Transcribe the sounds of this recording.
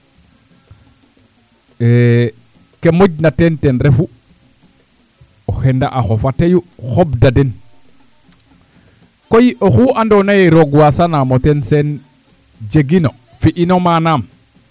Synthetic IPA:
e | kemoɟ̚natentenɾefu | ohenda̰ʔaxofatejuxobdaden | kojiʔoxuʔandonajeɾoɡwasanamotensen | d͡ʒeɡino | fiʔinomanam

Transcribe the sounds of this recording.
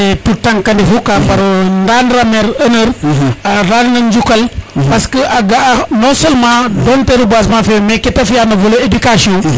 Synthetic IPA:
etutaŋkɐndifukapaɾndanɾameɾɐnəɾaɾannɐnd͡ʒukɐlpaskəʔaɡanõsolmãdonteɾubas̬mãfemeketɐfijanɐvoloedikasiõ

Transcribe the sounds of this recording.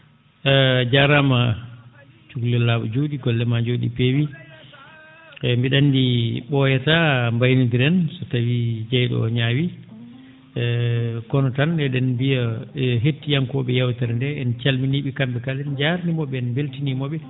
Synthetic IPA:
ɛd͡ʒaɾama | t͡ʃuɡlɛlːaɓɔ̰d͡ʒoɗiɡɔlːɛmad͡ʒoɗḭpewi | mbiɗanːdiɓɔjɛtambajnudiɾɛnsɔtawid͡ʒɛjɗɔ̰ɲawi | kɔnɔtandɛɗɛnbijaɦetːijaŋkɔɓɛjawtaɾndɛɛnt͡ʃalminiɓikambɛkalɛnd͡ʒaɾnimɔɓɛɛnbeltinimɔɓɛ

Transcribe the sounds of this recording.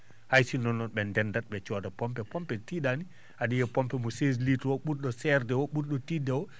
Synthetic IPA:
hajsinɔnːɔɓɛndɛndat̚ɓɛt͡ʃɔdapɔmpɛpɔmpɛtiɗani | aɗijɛpɔmpɛmɔses̬litwɔɓuɾɗɔsɛɾdɛwɔɓuɾɗɔtidɛwɔ

